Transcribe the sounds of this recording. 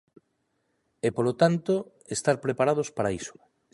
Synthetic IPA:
epolot̪ant̪o | est̪aɾpɾepaɾað̞ospaɾaiso̥

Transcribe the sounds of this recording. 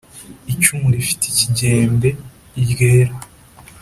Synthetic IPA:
it͡ʃuːnifi̥te̥ciɟeːmbe̞ | iɟɡeːɾa

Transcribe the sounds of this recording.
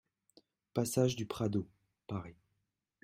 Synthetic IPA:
pasaʒd̪ypχad̪o | paʁi

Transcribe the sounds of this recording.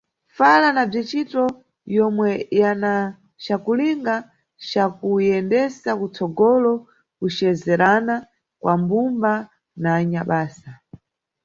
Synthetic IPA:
falanab͡ʐit͡ʃitɔ | jɔmwɛjana | t͡ʃakuliŋɡa | t͡ʃakujɛndɛsakut͡sɔɡɔlɔ | kut͡ʃɛzɛɾana | kwambumba | naːɲaɓaːsa

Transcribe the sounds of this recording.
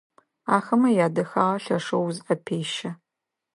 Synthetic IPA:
aːxɐmɐjaːdɐxaːʁɐɬɐʂɐwzʔɐpʰeːʃɐ

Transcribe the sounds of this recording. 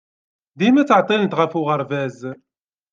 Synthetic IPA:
d̪imæt͡sːəʕt̪ˤːilənt̪ʁəfʊʁəɾˤvæz

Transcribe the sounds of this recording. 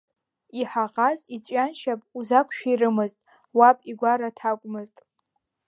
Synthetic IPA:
iħaʁazit͡ɕʷʼanʃapʼuzakʷʰʃᶣirɨmɨztʼ | wapʼiɡʷaɾatʰakʷʼmɨztʼ

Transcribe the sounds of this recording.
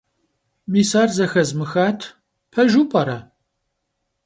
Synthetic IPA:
miːsaːrzɐxɐzmɨxaːtʰ | pʰɐʒupʼɐɾɐ

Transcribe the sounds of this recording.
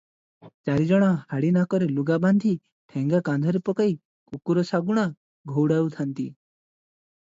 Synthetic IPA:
t͡ʃaɾid͡ʒɔɽ̃ɔhaɽinakɔɾeluɡaband̪ʱi | ʈʰeŋɡakand̪ʱɔɾepɔkaj | kukuɾɔsaɡuɽ̃a | ɡʱowɽawt̪ʰant̪i

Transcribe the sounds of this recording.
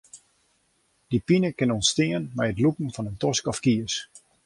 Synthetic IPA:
d̥ipinəkɪnɔnstɪənmɛjətlukn̩fɔnəntɔskɔfkiəs

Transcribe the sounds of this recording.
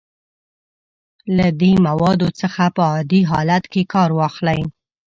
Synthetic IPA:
lad̪emawɑd̪ot͡səxapəɑd̪iɦɑ̰lat̪kekɑɾwɑxlaj

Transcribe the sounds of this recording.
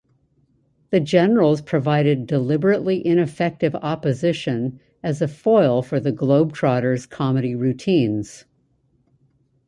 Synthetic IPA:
ðɨd͡ʒɛnə˞l̩ˠz̥pʰɹ̥ɨvaɪɾɨdəlɪbə˞ɨʔˡliʔɪ̃ñɨfɛk̚tɨvɑpɨzɪʃɨ̃n | ɨzɨfɔɪlˠfə˞ðɨɡloʊb̚tʰɹ̥ɑɾə˞z̥kʰɑmɨɾiɹʉtʰĩnz̥

